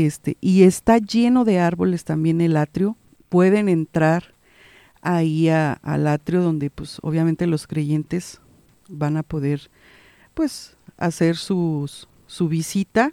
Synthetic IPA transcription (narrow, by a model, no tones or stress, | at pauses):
est̪ḛʔie̞st̪aʝe̞no̞ðe̞aɾβo̞le̞st̪ambje̞nelat̪ɾjo̞ | pwe̞ðe̞ne̞nt̪ɾaɾ | aiaa̰lat̪ɾjo̞ðo̞nd̪e̞pwe̞so̰β̞jament̪e̞lo̞skɾe̞ʝe̞nt̪e̞z̥ | βanapo̞ðe̞ɾ | pwe̞s | a̰se̞ɾsusː | uβisit̪a